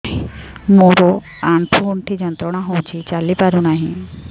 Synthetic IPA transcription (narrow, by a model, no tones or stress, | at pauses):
moɾo | aɳʈʰuuɳʈʰid͡ʑɔnt̪ɾɔɽ̃aɦowt͡ɕʰit͡ɕalipaɾunaɦĩ